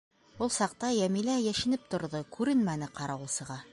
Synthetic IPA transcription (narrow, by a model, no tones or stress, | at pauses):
ulˠsɑq̚t̪ɑjæmilæjæʃɘ̆nɘp̚t̪ŏɾðɤkʰʉɾɘnmænɘqɑɾɑɤ̆lˠsɤ̆ʁɑ